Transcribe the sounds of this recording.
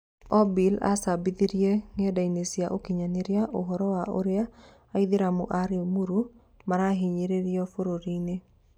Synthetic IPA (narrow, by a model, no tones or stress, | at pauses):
ɔbila̰sabid̪iɾjeŋɛdainesiaʔokiɲaneɾjaʔoɦɔɾɔwaʔo̰ɾɪaː | id̪ɪɾamṵʔaɾjomuɾu | maɾaɦɪɲeɾeɾjɔfoɾoɾine